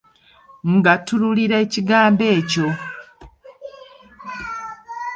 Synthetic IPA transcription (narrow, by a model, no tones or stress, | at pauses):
ŋɡatululiɾaeciɡaːmbe̞ːco̞